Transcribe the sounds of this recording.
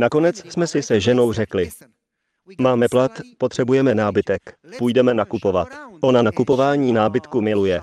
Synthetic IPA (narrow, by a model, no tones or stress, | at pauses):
nako̞nɛt͡ssmɛsɪsɛʒɛno̞wr̝ɛklɪ | maːmɛplat̪pot̪r̝̥ɛbujɛmɛnaːbɪt̪ɛkpujdɛmɛnakupo̞va̰t̪ʔo̞nanakupo̞vaːɲiːnaːbɪt̪kumɪlujɛ